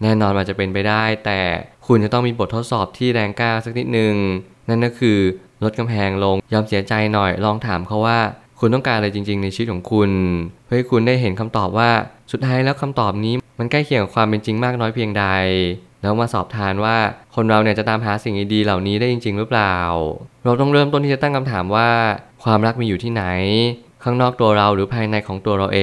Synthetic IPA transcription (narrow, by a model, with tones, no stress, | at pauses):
nɛː˥˩nɔː˧nʔaː˨˩t͡ɕa˨˩pe˧npa˧jdaː˥˩jt̪ɛː˨˩kʰu˧nt͡ɕa˨˩t̪ɔ˥˩ŋmiː˧bo˨˩t̪ʰːo˦˥t̪̚sɔː˨˩p̚t̪ʰiː˥˩ɾɛː˧ŋkaː˥˩wsa˨˩k̚ni˦˥t̪̚nɯ˨˩ŋ | na˥˩nːkɔ˥˩kʰɯː˧ | lo˦˥t̪̚ka˧mpʰɛː˧ŋlo˧ŋjɔː˧msi˨˩˦ɐt͡ɕa˧jnɔ˨˩jlɔː˧ŋt̪ʰaː˩˦mpʰɔ˦˥waː˥˩kʰu˧nt̪ɔ˥˩ŋkaː˧nʔa˧ɾa˧jt͡ɕi˧ŋt͡ɕi˧ŋna˧jʰi˧wt̪̚kʰɔː˩˦ŋkʰu˧nʰɯ˥˩ha˥˩jkʰu˧ndaː˥˩jɦe˩˦nkʰa˧mt̪ɔː˨˩p̚waː˥˩su˨˩t̪̚t̪ʰːaː˦˥jlɛː˦˥wkʰa˧mt̪ɔː˨˩p̚niː˦˥ma˧nklaː˥˩jkʰi˨˩əŋka˨˩kʰwaː˧mpe˧nt͡ɕi˧ŋmaː˥˩k̚nɔː˦˥jpʰi˧əŋda˧jlɛː˦˥maː˧sɔ̰ː˨˩p̚t̪ʰaː˧nwaː˥˩kʰo˧nɾa˧wni˥˩t͡ɕa˨˩t̪aː˧mɦaː˩˦si˨˩ŋdiː˧diː˧la˨˩wniː˦˥daː˥˩jt͡ɕi˧ŋt͡ɕi˧ŋɾɯ˦˥plaː˨˩wɾa˧wt̪̬ɔ˥˩ŋɾɤː˥˩mt̪o˥˩nʰiː˥˩a˨˩t̪a˥˩ŋkʰa˧mt̪ʰaː˩˦mwaː˥˩kʰwaː˧mɾa˦˥k̚miː˧juː˨˩t̪ʰiː˥˩na˩˦j | kʰaː˥˩ŋnɔː˥˩k̚t̪u˧ɐɾa˧wɾɯː˩˦pʰaː˧jna˧jkʰɔː˩˦ŋt̪u˧ɐɾa˧wʔeː˧